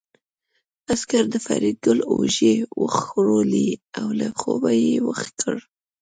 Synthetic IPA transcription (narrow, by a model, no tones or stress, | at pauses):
askaɾd̪əfa̰ɾid̪̚ɡʊloʒewəxxɾoliawlaxobajewəxkʰəɽ